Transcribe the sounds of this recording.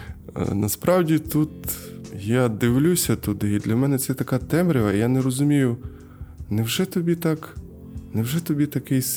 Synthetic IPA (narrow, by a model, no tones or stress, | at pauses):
nɐspɾɑwdʲit̪ut̪jad̪ɪwlʲusʲɐt̪ʊd̪ɪid̪lʲɐmɛnɛt̪sɛt̪ɐkɑt̪ɛmɾʲɪʋɐijanɛɾɔzʊmʲijʊ | nɛwʒɛt̪ɔbʲit̪ɑk | nɛwʒɛt̪ɔbʲit̪ɐkɪjs